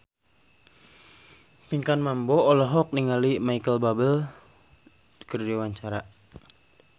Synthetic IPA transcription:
piŋkanmambɔːlɔɦɔk̚niŋalimaikəlbabəl | kərdiwaɲt͡ʃaɾa

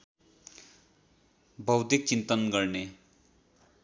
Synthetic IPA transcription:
bʱʌwd̪ik̚t͡sint̪ʌnɡʌrne

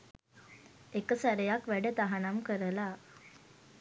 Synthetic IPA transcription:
ekəsaɾəjakʋæɖət̪aɦanamkəɾəla

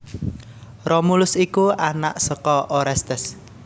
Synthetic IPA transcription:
romulʊsikuana̰ʔsəkɔʔoɾɛst̪ɛs

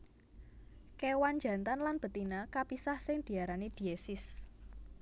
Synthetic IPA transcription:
kewand͡ʒa̤nt̪anlanb̥ə̤t̪inakapisahsɪŋd̪̥i̤aɾanid̪̥i̤esɪs

